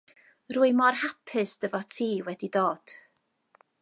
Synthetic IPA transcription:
rʊːɨmɔrhapʰɪsd̥əvɔtʰiːwɛdidoːd̥

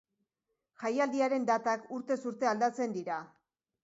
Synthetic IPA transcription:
ʝajald̪iaɾe̞nd̪at̪akuɾt̪e̞suɾt̪e̞ald̪at͡se̞nd̪iɾa

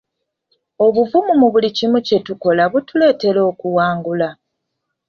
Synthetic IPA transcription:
o̞βuvumumuβulicimuce̞tuko̞laβutule̞ːte̞lo̞ːkuwaːŋɡula

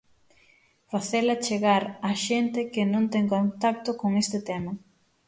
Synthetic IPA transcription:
faθelɐt͡ʃeɣaɾaʃent̪ɪkɪnõnt̪eŋkõnt̪ak̚t̪okoŋest̪ɪt̪emɐ

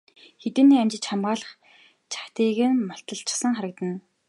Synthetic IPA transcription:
xet̪ɘ̆nːiːæmt͡ɕɪ̆t͡ɕχamʁaːɮə̆χ | t͡ɕʰḁkt̪iːɣɘ̆nmɔɬt̪ɞ̆ɬt͡ɕɪ̥̆sə̆ŋχaɾə̆kt̪ə̆n

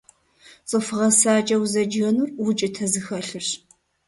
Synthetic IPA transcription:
sʼɨfɨʁɐsaːt͡ʃʼɐwzɐd͡ʒɣɐnurwʊt͡ʃʼɪtʰɐzɨxɐɬɨɕ

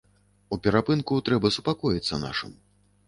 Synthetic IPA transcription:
upʲɛɾapɨnkut̪ɾɛbɐsupakɔjit̪sːɐna̰ʂɨ̰m

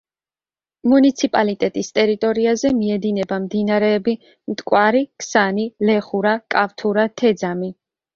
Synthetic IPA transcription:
munit̪sʰipʼalit̪ʼɛt̪ʼist̪ʼɛɾit̪ʼɔɾiazɛmiɛd̪inɛbamd̪inaɾɛːbi | mt̪ʼkʼwaɾikʰsanilɛχuɾakʼaft̪ʰuɾat̪ʰɛd̪zami

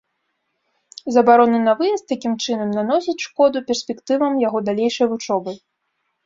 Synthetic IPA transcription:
zɐbaɾɔnɨnɐvɨjɐst̪ːakʲimt͡ʂɨnɐmnanɔsʲɐt͡sʲʂkɔd̪upʲɛrsʲpʲɛkt̪ɨvɐmjaɣɔd̪alʲejʂɐjvut͡ʂɔbɨ

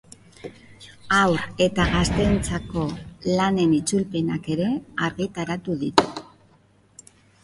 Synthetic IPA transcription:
awɾe̞t̪aɣast̪e̞nt͡sako̞lane̞nit͡sulpe̞nake̞ɾe̞aɾɣit̪aɾat̪uðit̪u̥

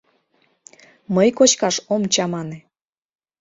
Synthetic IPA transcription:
məjkot͡ɕkɑʃomt͡ɕɑmɑne

